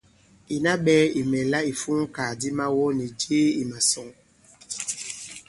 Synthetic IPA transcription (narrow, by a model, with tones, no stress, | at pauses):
i˨na˦ɓɛː˦i˨mɛ˨la˦i˨fu˦ŋ˦ka˨di˦ma˦wɔ˦ni˨d͡ʒe˦i˨ma˨sɔ˦ŋ